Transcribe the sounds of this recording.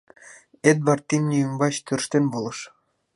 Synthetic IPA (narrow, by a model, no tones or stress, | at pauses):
et̪̚βɑrt̪ʲːimnʲiymbɑt͡ɕt̪ørʃt̪enβolˠɤ̆ʃ